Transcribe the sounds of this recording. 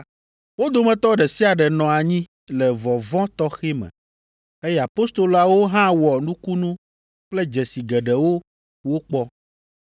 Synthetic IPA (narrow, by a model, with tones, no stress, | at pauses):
wo˦d̪o˨mɛ̃˨t̪ɔ˦ɖɛ˨si˦a˨ɖɛ˨nɔ̃˨a˨ɲĩ˦ | lɛ˨vɔ˨vɔ̃˦t̪ɔ˦xe˦mɛ̰̃˨ | e˦jɛ˦˨a˨po˦st̪o˨lo˨a˨wo˦ɦã˦wɔ˨nũ˦ku˦nũ˦ | k͡plɛ˦d͡ʒɛ˨si˨ɡɛ˨ɖɛ˨wo˦ | wo˦k͡pɔ˦